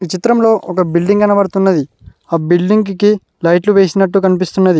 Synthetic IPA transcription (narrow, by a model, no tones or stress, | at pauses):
ʋit͡ʃit̪ɾɐmlo̞ːʔɔkɐbilɖiŋɡɐnɐʋɐɾt̪unːɐd̪i | aːbilɖiŋɡki | lɐjʈluʋeːsinɐʈːukɐnipist̪unːɐd̪i